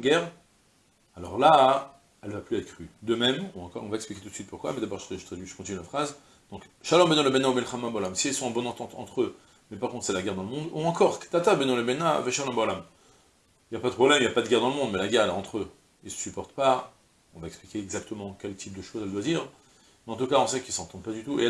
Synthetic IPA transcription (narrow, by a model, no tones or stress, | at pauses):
ɡʲɛʁ | alɔʁla | ɛlvaplyɛt̪kχyd̪əmɛmuɑ̃kɔ̰ʁɔ̃vaɛksplikʲet̪ut̪sɥit̪̚puʁkwa̰mɛd̪abɔʁʒət̪eʒət̪ed̪iʒəkɔ̃t̪inylafχaz | d̪̥ɔ̃kʃalɔmbenɔ̃ləbɛnaumilχamabalamsiɛlsɔ̃ɑ̃bɔnɑ̃t̪ɑ̃t̪ʰɑ̰̃t̪χø | mɛpaʁkɔ̃t̪χsɛlaɡʲɛʁd̪ɑ̃ləmɔ̃d̪uɑ̃kɔʁkt̪at̪abɛnɔ̃ləbɛna̰vɛʃalɔmbalam | iljapad̪əpχɔblɛmiljapad̪əɡʲɛʁd̪ɑ̃ləmɔ̃d̪mɛlaɡʲɛʁɛlaɑ̃t̪χø | ɛlsə̥sypɔʁt̪pa | ɔ̃vaɛksplikʲeɛɡzak̚t̪əmɑ̃kʲɛlt̪ʰip̚d̪əʃozɛld̪wad̪iːʁ | mɛɑ̃t̪̬ukaɔ̃sɛkilsɑ̃t̪ɑ̃d̪̚pad̪yt̪uḛɛ